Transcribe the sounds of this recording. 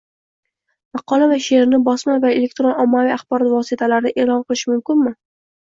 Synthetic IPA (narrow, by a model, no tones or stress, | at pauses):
mɑqʰɒlˠavaʃe̞ɾnɪbɒsmavae̞lek̚ʲt̪ɾonɒmːaviaχb̥ɒɾɒt̪vɒsɪt̪ʰalaɾnɪʔe̞lɒnqɨlˠɪʃmʊmkʲɪnmɪ